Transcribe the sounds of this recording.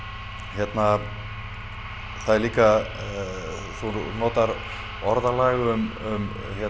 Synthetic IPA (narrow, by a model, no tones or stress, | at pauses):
çjɛt̪na | θaðɛɾliːka | θunɔːt̪aɾ | ɔɾðalaːɣʏmʏm | çjɛ